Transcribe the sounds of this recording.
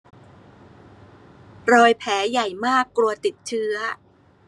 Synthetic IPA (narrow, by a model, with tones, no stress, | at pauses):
ɾɔː˧jpʰɛː˩˦ja˨˩jmaː˥˩kːlu˧ɐt̪i˨˩t̪̚t͡ɕʰɯ˦˥ɐ